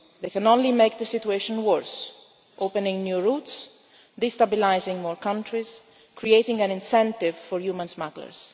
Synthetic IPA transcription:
d̪ejkɛ̃nõnlimeɪk̚d̪əsit̪ueʃɔ̃nwəɹs | ʔopə̃nɪ̃ŋnjuːɹut̪s | d̪ist̪abilajzɪ̃ŋmɔɹkʌ̃ntɹiz | kʰɾieɪtɪ̃ŋæ̃nɪ̃nsɛ̃nt̪ɪvfɔɹjuːmãnsmaɡlə̰ɹs

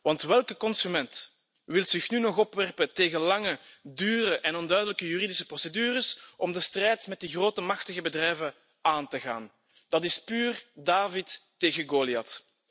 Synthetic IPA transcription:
ʋɑntʋɛlˠkəkɔnsymɛnt | ʋɪlzɪxnynɔxɔpʋɛrpəteːɣəlɑŋədyːrəʔɛnɔndœɥdələkəjyridɪsəprɔsədyːrəsɔmdəstrɛjtmɛt̚diɣroːtəmɑxtəɣəbədrɛjvə | aːntəɣa̰ːn | d̥ɑtɪspyːrdaːvitː | eːɣəɡoːlijɑt

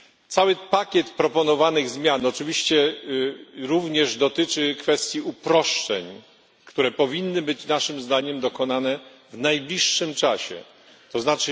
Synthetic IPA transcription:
t̪sawɘpakʲɛt̪pɾɔpɔnɔvanɘɣzmʲjanɔt͡ʂɘvʲiɕt͡ɕɛ | ɾuvɲɛʐd̪ɔt̪ɘt͡ʂɘkfɛst̪ʲjiupɾɔʂt͡ʂɛ̰ɲ | kt̪uɾɛpɔvʲinːɘbɘt͡ɕnaʂɘmzd̪aɲɛmd̪ɔkɔn̪anɛ | vnajblʲiʂːɘmt͡ʂaɕɛ̰ | t̪ɔznat͡ʂɘ

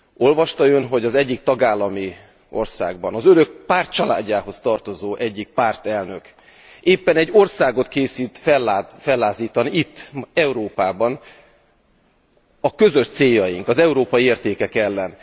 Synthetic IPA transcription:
o̞lvɒʃt̪ɒjønɦo̞ɟɒzɛɟːikt̪ɒɡaːlːɒmi | ʔo̞̰rsa̰ːɡ̚bɒnɒzøɾø̞k̚paːrt̪̚t͡ʃɒla̰ːɟːaːɦo̞st̪ɒrt̪o̞zoːʔɛɟːik̚paːrt̪ɛlnø̞k | eːpːɛnɛɟːo̞rsaːɡo̞t̪keːsiːt̪fɛlːfɛlːaːziːt̪ɒniit̪ːɛuɾoːpaːbɒn | ɒkø̞zø̞ʃt̪seːjːɒjiŋkɒzɛuɾoːpɒjieːrt̪eːkɛkɛlːɛn

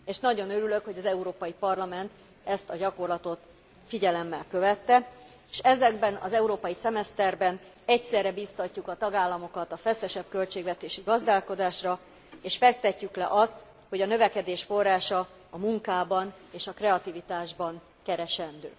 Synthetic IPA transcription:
eːʃnɒɟo̞nøɾylø̞kho̞ɟɒzɛuɾoːpɒjipɒrlɒmɛnt̪ | ɛst̪ɒɟɒko̞rlɒt̪o̞t̪ | fiɟɛlɛmːɛlkø̞vɛt̪ːɛ | eʃɛzɛɡbɛnɒ̰zɛuɾoːpɒjisɛmɛst̪ɛrbɛn | ɛcsɛrːɛbiːst̪ɒcːukɒt̪ɒɡaːlːɒmo̞kɒt̪ɒfɛsɛʃɛb̚kølt͡ʃeːɡvɛt̪eːʃiɡɒzd̪aːlko̞d̪aːʃrɒ | eːʃfɛk̚t̪ɛcːyklɛ̰ʔɒst̪ | ho̞ɟɒnø̞vɛkɛd̪eːʃfo̞rːaːʃɒː | muŋkaːbɒneːʃɒkrɛɒt̪ivit̪aːʒbɒŋ | kɛɾɛʃɛnd̪ø̰ː

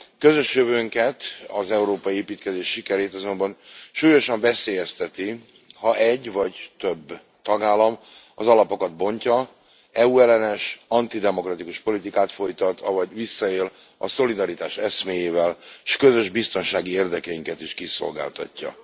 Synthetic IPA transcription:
kø̞zø̞ʃjøvøːŋkɛt̪ɒ̰zɛuɾoːpɒjieːpiːt̪kɛzeːʃːikɛɾeːt̪ɒzo̞mbɒnʃuːjo̞ʃɒɱvɛseːjɛst̪ɛt̪i | hɒʔɛɟːvɒɟt̪ø̞bː | t̪ɒɡaːlːɒm | ɒzɒlɒpo̞kɒd̪̚bo̞ɲcɒ | ɛuɛlɛnɛʃɒnt̪id̪ɛmo̞krɒt̪ikuʃpo̞lit̪ikaːt̪fo̞jt̪ɒt̪ʰɒvɒɟvisːɒeːl | ɒso̞lid̪ɒɾit̪aːʃɛsmeːjeːvɛlʃkø̞zø̞ʒbist̪o̞nʃaːɡieːrd̪ɛkɛjiŋkɛt̪iʃkiso̞̰lɡa̰ːlt̪ɒ̰cːɒ̰

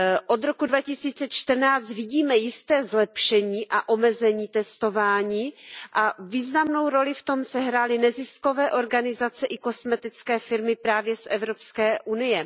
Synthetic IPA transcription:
ʔo̞d̪ɾo̞kudvacɪsiːt͡sɛt͡ʃt̪r̩naːt͡st̪vɪɟiːmɛjɪst̪ɛːzlɛpʃɛɲiːʔaʔo̞mɛzɛɲiːt̪ɛst̪o̞vaːɲiːʔaviːznamno̞wɾo̞lɪft̪o̞msɛɦɾaːlɪnɛzɪsko̞vɛːʔo̞ɾɡanɪzat͡sɛʔɪko̞smɛt̪ɪt͡skɛːfɪɾmɪpɾaːvjɛsʔɛvɾopskɛːʔunɪjɛ

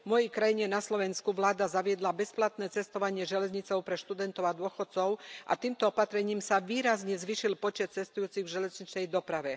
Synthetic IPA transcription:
mɔjɛjkɾajiɲɛnaslɔʋɛnskuʋlaːd̪azaʋɪɛd̪labɛsplat̪nɛːt͡sɛst̪ɔʋaɲɪɛʒɛlɛzɲit͡sɔʊpɾɛʃt̪ud̪ɛnt̪ɔʊad̪ʊɔxɔt̪̚t͡sɔʊʔa̰t̪iːmt̪ɔɔpat̪ɾɛɲiːmsaʋiːɾazɲɛzʋiːʃilpɔt͡ʃɛt̪̚t͡sɛst̪ujuːt͡siɣvʒɛlɛzɲit͡ʃnɛjd̪ɔpɾaʋɛ

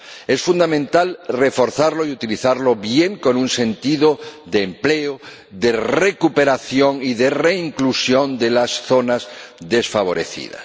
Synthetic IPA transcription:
e̞sfund̪amẽnt̪alre̞foɾθaɾloiut̪iliθaɾlo̞βje̞ŋko̞nunse̞nt̪iðoðeːmpleo | ðere̞kupe̞ɾaθjoŋiðe̞re̞iŋklusjo̞nd̪elasθo̞nazðe̞sfaβ̞o̞ɾe̞̰θḭð̞a̰s

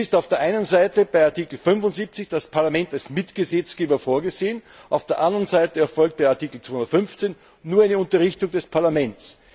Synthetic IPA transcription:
ɪstaʊfd̥eːɐʔaɪnənzaɪtəb̥aɪaɐtikl̩fʏnvʊntz̥iːp̚t͡sɪçd̥aspʰaɐlamɛ̃ntalsmɪtɡ̥əzɛt͡sɡ̥eːbɐfoːɐɡəzeːən | ʔaʊfd̥eːɐʔãndəʁənzaɪtəɛɐfɔlk̚t̚b̥aɪaɐtiːkl̩t͡sʋ̥ohʊ̃ndɐət̪fʏnft͡senː | uːɐæɪnəʊntɐʁɪçtʊŋdɛspʰaɐlamɛnt͡s

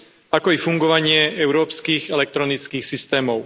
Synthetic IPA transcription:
akɔifuŋɡɔʋaɲɪɛʔɛʊɾɔːpskiːɣɛlɛk̚t̪ɾɔnit͡skiːxsist̪ɛːmɔʊ

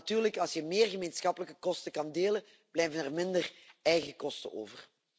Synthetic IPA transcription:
tyːrləkɑlˠsjəmeːrɣəmeːnsxɑpələkə̥kɔstəkɑndeːlə | b̥lɛjvənɛrmɪndərɛjɣəkɔstə̰o̰ːvər

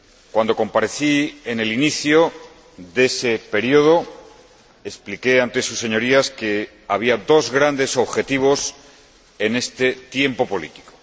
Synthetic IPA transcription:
kwand̪o̞ko̞mpaɾe̞θiene̞liniθjo | ðe̞se̞pe̞ɾjoð̞o̞ | e̞splike̞ant̪e̞susːe̞ɲo̞ɾiaske̞ | aβ̞iad̪o̞zɣɾand̪e̞so̞βxe̞t̪iβ̞o̞s | e̞ne̞st̪e̞t̪je̞mpo̞po̞lḭt̪i̥ko̥

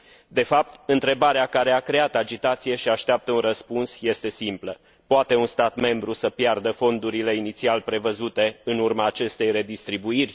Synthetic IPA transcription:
d̪e̞fap̚t̪ɨnt̪ɾe̞baɾeakaɾe̞akɾe̞at̪ad͡ʒit̪at̪sije̞ʃiaʃt̪eap̚t̪əunrəspunsje̞st̪e̞simplə | poat̪e̞unst̪at̪me̞mbɾusəpjard̪əfo̞nd̪uɾile̞init̪sialpɾe̞vəzut̪e̞ɨnurmaːt͡ʃe̞st̪e̞jre̞d̪ist̪ɾibuirʲ

